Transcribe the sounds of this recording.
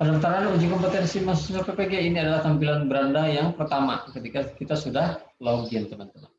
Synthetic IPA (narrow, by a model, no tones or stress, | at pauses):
padant̪aɾaanud͡ʒikɔmpət̪ɛnsimasusapepeɡeiniadalaht̪ampilanbəɾandajaŋpərt̪ama̰kət̪ikakit̪asudahloɡiant̪əmant̪əman